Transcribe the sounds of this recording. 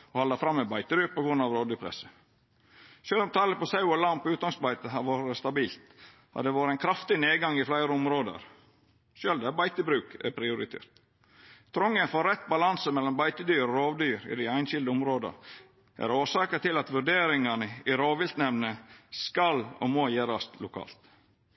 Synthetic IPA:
ɔhɑlɑfɾɑmːɛbɑɪt̪əbyːpʰɔɡɾʉnːɑʋɾoːʋd̪yːpʰɾɛ̰sə̥ | ʃøːlɔmt̪ʰɑːləpɔsɑʉɔlɑmpːʉːt̪ɡ̪ɑŋsbɑɪt̪əɦɑʋoːɾəst̪ɑbiːlt̪ | ɑ̰d̪ɛʋɑːɾəæɪnkʰɾɑft̪ɪneːɡɑŋːɪflæɪɾəʊmɾoːd̪ə̰ɾ | ʃøːld̪æbæɪt̪əbɾʉːkæ̰pʰɾɪʊɾɪt̪ʰḛːɾt̪ | t̪ʰɾɔŋːənfɔɾɛt̪ːbɑlɑnsəmɛlːɔmbɑɪt̪əd̪yːɾɔɾoːʋd̪yːɾɪ̰d̪æɪæɪnʃɪld̪əʊmɾoːd̪ɑ̰ɾ | ʔæ̰ɾoːʂɑːkət̪ɪlɑt̪ʋʉɖeːɾɪŋɑnəɪɾoːʋɪlt̪nɛʋnəskɑlɔ̰mojeːɾɑst̪lʊkʰɑ̰ːlt̪

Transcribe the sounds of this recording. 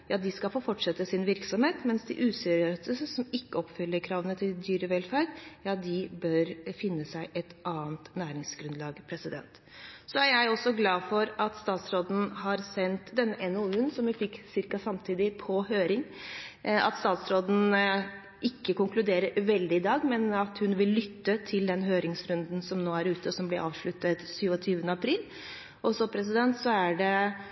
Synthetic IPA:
jɑːd̪ɪskɑfoːfɔʈʂɛt̪ːəsɪnʋɪɾksɔmheːt̪mɛnsd̪ɪ̰ʔʉːsɛɾɪøːsəsɔmɪkːəɔpfʏlːəɾkʰɾɑːʋənət̪ʰɪld̪yːɾəʋɛlfæːɖjɑːd̪ɪbœɾfɪnːəsæɪʔɛt̪ʔɑːənt̪næːɾɪŋsɡ̥ɾʉnlɑːɡpʰɾɛsɪd̪ɛ̰nt̪ | sɔæɾjæɪɔsɔɡlɑːfɔɾɑt̪st̪ɑːt̪sɾoːd̪n̩hɑɾsɛnt̪d̪ɛnːəʔɛnɛʉːnsɔmʋɪfɪkːsɪɾkɑsɑmt̪ʰiːd̪ɪpʰɔɦøːɾɪŋ | ɑ̰t̪st̪ɑːt̪sɾoːd̪n̩ | ɪkːəkʊŋklʉd̪eːɾəɾʋɛld̪ɪɪd̪ɑːɡmɛnɑt̪hʉnʋɪlːʏt̪ːət̪ʰɪld̪ɛnɦøːɾɪŋsɾʉnd̪n̩sɔmnoːæɾʉːt̪əɔsɔmblɪɾʔɑ̰ːʋʂɭʉt̪ːət̪syːʋɔt̪ʰyːʋənəɑpʰɾiːl | ʔɔsɔpʰɾɛs̬ɪd̪ɛnt̪sɔæɖɛ

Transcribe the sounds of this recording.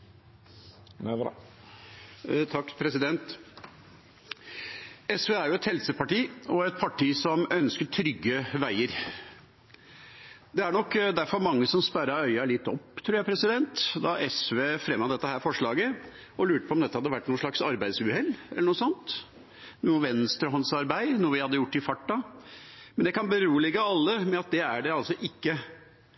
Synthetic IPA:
t̪ʰɑkːpʰɾɛsɪd̪ɛnt̪ | ɛsʋeːæjʊɛt̪hɛlsəpɑʈiːɔɛt̪̚pʰɑʈʰiːsɔmœnskəʈʰɾʏɡːəʋæɪəɾ | d̪ɛæɳɔkːd̪æɾfɔɾmɑŋːəsɔmspæɾɑɾœʏɑlɪt̪ːɔpːt̪ʰɾuːɾjæɪpʰɾɛsɪd̪ɛnt̪d̪ɑʔɛsʋeːfɾɛmːɑd̪ɛt̪ːəhæːɾfɔʂɭɑːɡə | ɔlʉːʈəpʰɔmd̪ɛt̪ːəhɑd̪ːəʋæʈːnuːnʂɭɑksɑɾbæɪd̪sʉhɛlːɛ̰ləɳnuːsɔnt̪ | nuːʋɛnst̪ɾəhɑnsɑɾbæɪnuːəʋɪhɑd̪ːəjʊʈːɪfɑʈːɑ | mɛnd̪ɛkʰɑnbəɾuːəlɪɡːəɑlːəmɛɑt̪̚d̪ɛæɖɛɑlsɔʔɪkːə

